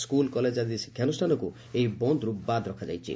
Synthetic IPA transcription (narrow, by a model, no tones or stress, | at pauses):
skulkɔled͡ʒad̪iskʰjanusʈʰanɔku | eibɔnd̪ɾubad̪ɾɔkʰad͡ʒa̰jt͡ʃʰḭ